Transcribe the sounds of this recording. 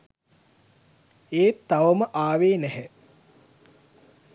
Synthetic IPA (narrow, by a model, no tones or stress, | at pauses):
eːt̪ːaʋəməʔaːʋeːnæɦɛ